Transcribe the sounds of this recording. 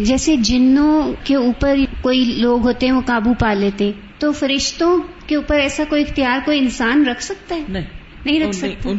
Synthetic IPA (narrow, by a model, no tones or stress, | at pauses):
d͡ʒɛːsed͡ʒɪnːõkeuːpəɾkoːiloːɡɦoːt̪eɦɛ̃ʋokaːbupaːleːt̪eɦɛ̃ | t̪ofɐɾɪʃt̪õ | keuːpəɾɛːsakoːiɪxt̪ijaːɾkoːiɪnsaːnɾɐkʰsɐk̚t̪aɦɛːn | nɐɦĩɾɐkʰsɐt̪a